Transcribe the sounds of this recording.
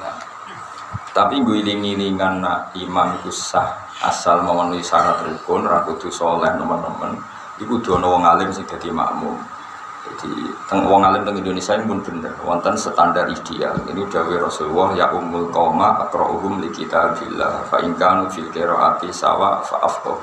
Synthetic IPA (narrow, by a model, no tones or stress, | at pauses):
na | t̪apiŋɡoiliŋiliŋanaʔimamikusah | ʔa̰salməmənuisaɾat̪əɾikʊnrakud̪̥usolɛhnə̰mənːəmə̰n | ikud̪̥ɔnɔwɔŋalɪmsɪŋd̥a̤d̪̥ima̰ʔmʊ̰m | d͡ʒad̪̥ḭt̪əŋwɔŋalɪmt̪əŋind̪onesiainimʊnb̥ə̤nərwɔ̰nt̪ənsət̪anɖarʔid̪̥ia̰lḭniud̪̥a̤werɔsulwɔhja̰ʔumʊlkɔmaʔək̪ɾɔʔuɦʊmlikit̪ab̥ila̰fa̰ʔiŋkaŋu̥d͡ʒ̥ilkeɾɔʔa̰t̪isa̰wa̰fa̰ʔafkɔ̰